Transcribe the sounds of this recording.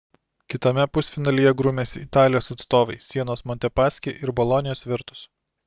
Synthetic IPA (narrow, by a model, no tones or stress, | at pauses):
kʲɪt̪ɐmʲɛpʊsʲfʲɪnɐlʲɪjɛɡɾʊmʲeːsʲɪt̪ɑːlʲɪjoːsɐt̪st̪oːʋɐɪsʲiɛnoːsmɔnʲt̪ʲɛpɑːsʲkʲeʔɪɾbɔlˠɔnʲɪjoːsʋʲɪɾt̪ʊ̥s